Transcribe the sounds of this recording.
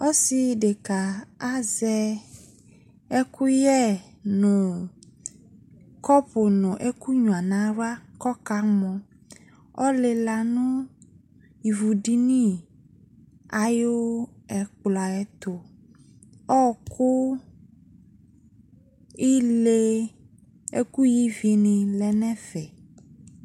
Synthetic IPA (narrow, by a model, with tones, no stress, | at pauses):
ɔ˦si˨ɖe˨ka˨a˦zɛ˦ | e˦ku˦jɛ˦˨ | nũ˨ | kɔ˦po˨nũ˨ʔe˦ku˦ɲũ˨a˨nã˦ɾu˦a˦kɔ˦ka˨mɔ̃˨ | ɔ˦le˨la˨nũ˦ | ji˨vu˨ɖi˦nĩ˦˨ | a˨jo˦ɛ˨k͡pla˨ɛ˨t̪o˨ | ɔ˦˨kʰo˦ | i˦le˦ | ḛ˦ku˦ji˦vi˨e˨nẽ˨lɛ˨nɛ̃˦fɛ˨